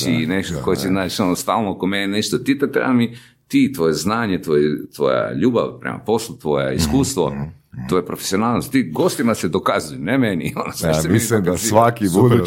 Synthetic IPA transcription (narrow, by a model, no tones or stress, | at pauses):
ineʃt̪okojet͡ʃenat͡ʃonost̪aːlˠnoakomenineʃt̪ot̪it̪et̪ɾḛbami | t̪it̪ʋojeznaːɲet̪ʋojet̪ʋo̰j̰a̰ʎuːba̰ʋpɾḛma̰po̞slˠut̪ʋojḛḭskuːst̪ʋo̰ | t̪ʋojepɾofesionaːlˠnost̪iɡost̪imased̪okazujenemenionoseaemilimd̪asʋakibud̪u